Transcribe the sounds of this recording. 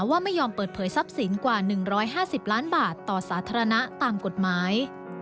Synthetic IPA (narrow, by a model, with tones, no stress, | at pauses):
waː˥˩ma˥˩jːɔː˧mpɤː˨˩t̪̚pʰɤː˩˦jsa˦˥p̚si˩˦nkwaː˨˩nɯ˨˩ŋɾɔː˦˥jɦaː˥˩si˨˩p̚laː˦˥nbaː˨˩t̪ːɔː˨˩saː˩˦t̪ʰaː˧ɾa˧na˦˥t̪aː˧mko˨˩t̪̚maː˩˦j